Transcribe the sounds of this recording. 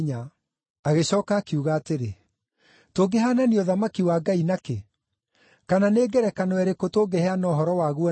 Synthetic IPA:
ɲa | aɣeɕɔːkaːkiuːɣaːteɾe | toɡeɦananioðamakiwaːɡainake | kananeːɡɛɾɛkanɔwɛɾekotoːɡehɛanɔːɦɔɾɔwaːɣwɔ

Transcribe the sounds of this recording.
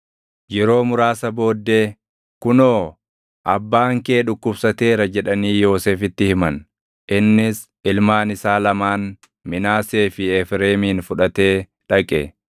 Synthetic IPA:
jɛɾo̞ːmʊɾaːsɐbo̞ːd̪ːe̞ː | kʊnoː | ʔɐbːaːŋke̞ːᶑʊkːʊbsɐt̪e̞ːɾɐd͡ʒɛᶑɐniːjo̞ːseːfɪt̪ːɪhɪmɐn | ʔɪnːɪs | ɪlmaːnɪsaːlɐmaːn | mɪnaːseːfɪɛfɾe̞ːmiːnfʊᶑɐt̪e̞ː | ᶑɐkʼɛ

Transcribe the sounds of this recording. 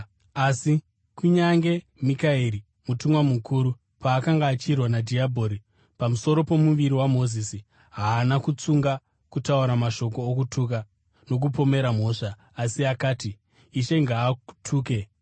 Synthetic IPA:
asi | kuɲaŋɡe̞ | mikaiɾi | mutumwamukʰuːɾu | paːkaŋɡaːt͡ʃirwanadʱiabʱo̞ɾi | pamuso̞ɾo̞po̞muʋiɾiwamo̞zisi | ɦaːnakut͡suŋɡa | kutauɾamaʃo̞ko̞ːkutʰuk̬a | no̞k̬upo̞me̞ɾam̤o̞ːʂaː | siakaːtiː | ʃe̞ŋɡaːtʰuːke̞

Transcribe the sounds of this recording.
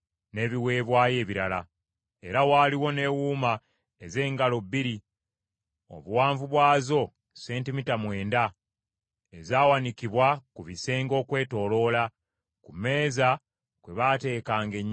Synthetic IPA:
ne̞ːβiwe̞ːβwaːje̞ːβiɾala | eɾawaːliwo̞ne̞wuːma | eze̞ːŋɡalo̞bːiɾi | o̞̰βuwaːɱvuβwaːzo̞ | se̞ːntimitamwe̞ːnda | ezaːwanikiβwakuβise̞ːŋɡo̞ːkwe̞ːto̞ːlo̞la | kume̞ːza | kwe̞βate̞ːkaːŋɡe̞ɲː

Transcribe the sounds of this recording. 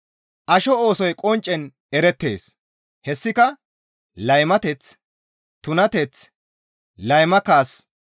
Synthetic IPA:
ʔɐʃɔoːsɔjkʼɔnt͡ʃʼːɛn | ɛɾɛt̪ːe̞̰ːs | hɛsːɪkɐ | lɐjmɐt̪ɛt͡s | t̪ʊnɐt̪ɛt͡s | lɐjmɐkaːs

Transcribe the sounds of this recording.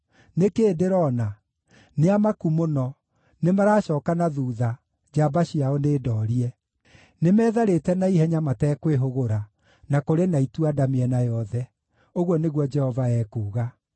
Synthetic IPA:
nekedeɾɔna | neamakumonɔ | nemaɾaːɕɔːkanaðuːða | d͡ʒabaɕiaoneːdɔːɾiɛ | nemɛːðaɾetɛnaiɦɛɲamatɛːkweɦoɣoɾa | nakoɾenaituadameɛnajɔðɛ | oɣwɔneɣwɔd͡ʒɛhɔvaɛːkuːɣa

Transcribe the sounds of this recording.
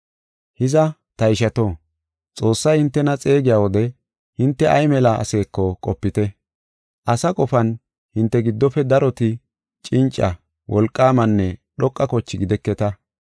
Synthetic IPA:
hɪzɐt̪ɐɪʃɐt̪oː | t͡sʼo̞ːsːɐjhɪnt̪ːɛnɐt͡sʼe̞ːɡɪjaːwɔd̪ɛ | hɪnt̪ːɛʔɐjmɛlɐʔɐ̰se̞ːkːɔkʼɔpːɪt̪ɛ | ʔɐsɐkʼɔfɐn | hɪnt̪ːɛɡɪd̪ːɔfɛd̪ɐɾɔt̪ɪ | t͡ʃʼɪnt͡ʃʼːɐ | wʔɔlkʼːaːmɐnːɛɗɔkʼːɐkɔt͡ʃːɪɡɪd̪ɛkːɛt̪ɐ

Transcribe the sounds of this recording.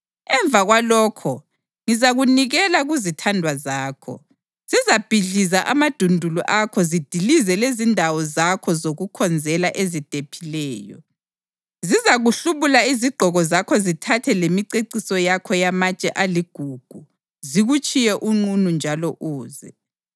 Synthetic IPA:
ɛɱb̪vʱaɣwalɔːkʰɔ | ŋizaɣuniɣɛlaɣuzitʰandʱwazaːkʰɔ̰ | z̥izab̥ʱiɮizaʔamad̥ʱundʱuluʔakʰɔzid̥ʱilizɛlezindʱawɔzakʰɔzoɣukʰɔnd͡zʱɛlaʔezid̥ʱepʰilɛːjɔ̰ | zizaɣuɬuβulaiziɡ͡ǃʱɔɣɔzakʰɔzitʰatʰɛlemiǀeǀisɔjakʰɔjamat͡ʃʼɛʔaliɡ̥ʱuɡ̥ʱu | ziɣut͡ʃʼijɛʔuŋ͡ǃunund͡ʒʱalɔʔuːzɛ

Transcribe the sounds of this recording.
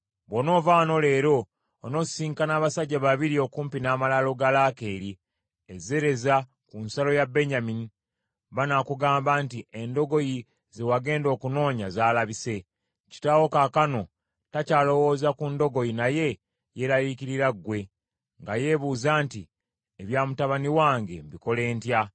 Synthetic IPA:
βwo̞no̞ːvaːno̞le̞ːɾo̞ː | no̞siːŋkanaːβasaɟːaβaβiɾio̞kuːmpinaːmalalo̞ɡalaːke̞ːɾi | eze̞ɾe̞za | kunsalo̞jabe̞ɲamini | βanakuɡaːmbaːntiʔendo̞ɡo̞ji | ze̞waɡe̞ːndo̞ːkuno̞ːɲazaːlaβise̞ | ci̥tawo̞kakano̞ | tacaːlo̞wo̞ːzakundo̞ɡo̞jinaje̞ | jeɾaliciɾiɾaɡwe̞ | ŋɡaje̞βuːzaːnti | eβjaːmutaβaniwaːŋɡe̞mbiko̞le̞ːntja

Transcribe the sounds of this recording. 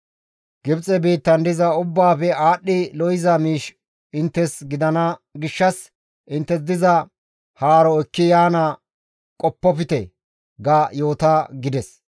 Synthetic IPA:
ɡ̥ɪbt͡sʼɛbiːt̪ːɐnd̪ɪzɐʊbːaːpɛaːɗːɪlɔjɪzɐmiːʃ | ɪnt̪ːɛsɡɪd̪ɐnɐɡɪʃːɐs | ʔɪnt̪ːɛs̬d̪ɪzɐ | haːɾɔɛkːɪjaːnɐ | kʼɔpːɔpɪt̪ɛ̰ | ɡɐjoːt̪aɡɪd̪ɛs

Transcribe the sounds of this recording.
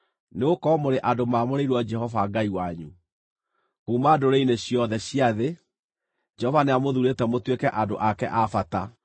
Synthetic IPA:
neokɔmoɾeʔadomamoɾeiɾwɔd͡ʒɛhɔvaɡaiwaɲu | kumaːdoɾeineɕjɔðɛɕiaðe | d͡ʒɛhɔvaneamoðuɾetɛmotwekɛʔadoʔakɛ̰ʔafata

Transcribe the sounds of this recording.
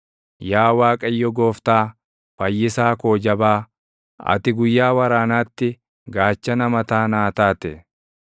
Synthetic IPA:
jaːwaːkʼɐjːɔɡo̞ːft̪aː | fɐjːɪsaːko̞ːd͡ʒɐbaː | ɐ̰t̪ɪɡʊjːaːwɐɾaːnaːt̪ːɪ | ɡaːt͡ʃːɐnɐmɐt̪aːnaːt̪aːt̪ɛ

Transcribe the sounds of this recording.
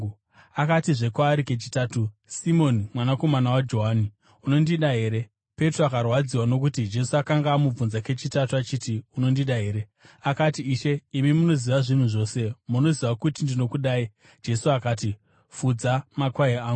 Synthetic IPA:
akatiʐe̞kwaːɾike̞t͡ʃitaːtusimo̞nimwanako̞manawad͡ʒo̞ɦaːni | uno̞ndiɗaɦe̞ːɾe̞ | pe̞troakarwad͡ziwano̞k̬utid͡ʒe̞suakaŋɡaːmub͡vunzake̞t͡ʃitatuat͡ʃiːtiuno̞ndiɗaɦe̞ːɾe̞ | akatiːʃe̞imimuno̞ziʋaʐin̤uʐo̞se̞muno̞ziʋakutindino̞kuɗaːi | d͡ʒe̞suakaːti | fud͡zamakwaeaːŋɡu

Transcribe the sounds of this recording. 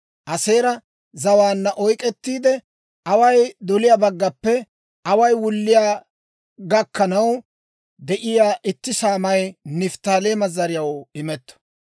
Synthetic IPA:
ʔɐse̞ːɾɐ | zɐwaːnːɐʔɔjkʼɛt̪ːiːd̪ɛ | ɐwɐjd̪ɔlɪjaːbɐɡːɐpːɛ | ɐwɐjwʊlːɪjaː | ɡɐkːɐnɐw | d̪ɛʔɪjaːʔɪt̪ːɪsaːmɐjnɪft̪aːle̞ːmɐzɐɾɪjɐwɪmɛt̪ːɔ̥

